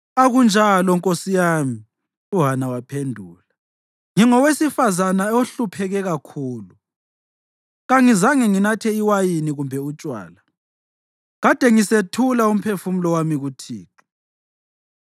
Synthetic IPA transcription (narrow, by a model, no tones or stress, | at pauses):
aɣund͡ʒʱalɔŋkʼosijaːmi | uɦanawapʰendʱuːla | ŋiŋɔwesifazanaoɬupʰɛɣɛɣakʰuːlu | ɣaŋizaŋɛŋinatʰɛiwajiniɣumbʱɛut͡ʃʼwa̰ːla | ɣad̥ʱɛŋisetʰulaum̩pʰefumulɔwamiɣutʰiːǃi̥